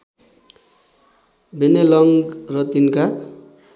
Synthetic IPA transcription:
benelʌŋɡrʌt̪inka

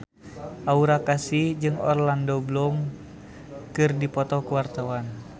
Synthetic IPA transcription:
ʔauɾakasid͡ʒɨŋɔ̰rlandɔblɔŋ | kɨrdipɔt̪ɔkuwart̪awan

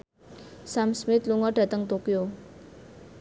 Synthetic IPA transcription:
samsmɪt̪luŋɔɖ̥ä̤t̪əŋt̪okio

